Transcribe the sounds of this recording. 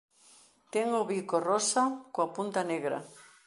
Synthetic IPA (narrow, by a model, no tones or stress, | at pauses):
t̪eŋoβikorosakoapunt̪aneɣɾɐ̰